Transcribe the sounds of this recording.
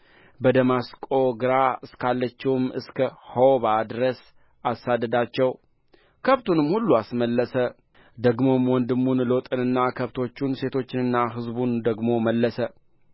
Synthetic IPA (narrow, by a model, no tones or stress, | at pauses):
bəd̪əmaskʼo̞ɡɨɾaɨskʰalːət͡ʃːɛwmɨskʰəhoβad̪ɨɾəs | ʔasːad̪ːəd̪at͡ʃːɛw | kʰəβt̪ʰunɨmhulːuasməlːəsə | d̪əɡmo̞mwɔnd̪ɨmːunlot̪ʼɨnɨnːakʰəβt̪ʰo̞t͡ʃːunse̞t̪ʰo̞t͡ʃːɪnɨnːaɦɨzbund̪əɡmo̞məlːəsə